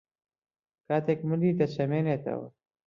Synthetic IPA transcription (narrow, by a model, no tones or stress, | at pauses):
kaːt̪ekmulit̪ɐt͡ɕɐmenet̪ɐ̰wa̰